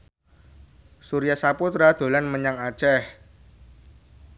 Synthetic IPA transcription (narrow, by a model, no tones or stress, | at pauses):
suɾijasaput̪ɾad̪̥o̤lanməɲaŋad̥ʒ̥ɛh